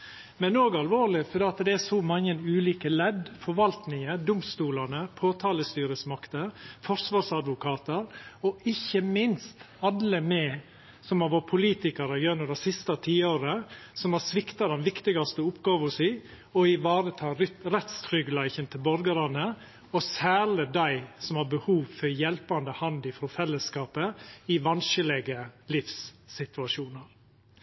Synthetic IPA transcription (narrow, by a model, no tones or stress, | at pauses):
mɛnoːɡɑlʋoːɾlɪfɔɾɖ̪ɛːɑt̪d̪ɛæɾsɔmɑŋːənʉːliːkəlɛd̪fɔɾʋɑlt̪nɪŋəd̪ʊmst̪uːlɑnəpʰoːt̪ʰɑːləst̪yːɾəsmɑkt̪əfɔɾsʋɑːɾsɑd̪ʋʊkʰɑːt̪əɾɔɪçːəmɪnst̪ | ɑd̪ləmɛ | sɔmɑʋoːpʰʊliːt̪ɪkɑɾəjœnʉd̪ɛsɪst̪ɑt̪ʰiːoːɾəsɔmæsʋɪkt̪ɑd̪ɛnʋɪkt̪ɪɡɑst̪əɔʊpɡɑːʋɔsiː | ɔɪʋɑːɾət̪ʰɑːɾɾɛt̪st̪ʰɾʏɡlæɪçənt̪ʰɪlbɔɾɡəɾɑnə | ɔsæːləd̪æɪsɔmhɑɾbəhuːʋfɔɾjɛlpɑnd̪əhɑnd̪ɪfɾɔfɛlːəskɑːpəɪʋɑnʃəlɛɡəlɪfsːɪt̪ʉɑʂuːnəɾ